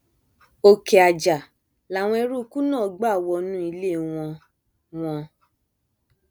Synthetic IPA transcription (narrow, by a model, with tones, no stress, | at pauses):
o˧ke˨a˨d͡ʒa˨ | la˨w̃ɔ̃˧e˧ɾu˦˧ku˦nãː˦˨˦ɡ͡ba˦˨wɔ˧nũ˦i˧le˦˨w̃ɔ̃˧ | w̃ɔ̃˧